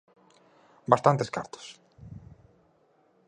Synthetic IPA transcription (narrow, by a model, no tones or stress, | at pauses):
bast̪ant̪eskaɾt̪o̥s